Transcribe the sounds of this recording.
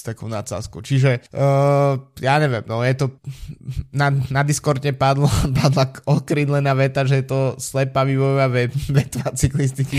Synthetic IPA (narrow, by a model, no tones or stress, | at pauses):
st̪akɔʊnat͡sa̰skuʊt͡ʃiʒɛ | jaːɲɛʋɛ̰mnɔjɛt̪ɔ | nanad̪iskɔɾt̪ɲɛpad̪lapad̪laɔkɾinlɛnaʋɛt̪aʒɛjɛt̪ɔslɛpaʋiʋɔjʋaʋɛʋɛt̪ʋat͡siklist̪iki